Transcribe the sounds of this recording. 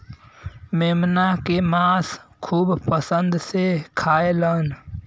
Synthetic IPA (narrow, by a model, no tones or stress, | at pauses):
meːmnakemaːskʰuːbpəsənd̪sekʰaːelən